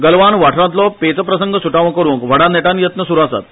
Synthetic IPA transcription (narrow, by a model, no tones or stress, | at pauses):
ɡəlʋanʋaʈʰɾãt̪lɔpet͡səpɾəsəŋɡʱəsuʈaʋə̃kəɾũːŋkʋəɽaneʈanjət̪nəsuɾasa̰t̪